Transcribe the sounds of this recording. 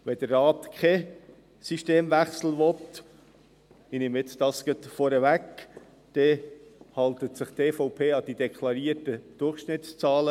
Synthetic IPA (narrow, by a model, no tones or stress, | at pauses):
ʋɛd̥̪əɾːɑːt̪kʰɛ | siʃteːmvæχsl̩ʋɔt̪ | ɪnɪmɪt͡stɑsɡ̥œt̪fɔɾəʋæk | d̪̥ɛhɑlt̪ətsɪχteːfɔʊpʰeːɑd̥̪id̪ɛkʰlɑɾiːətəd̪̥ʊrχʃnɪtst͡sɑːlə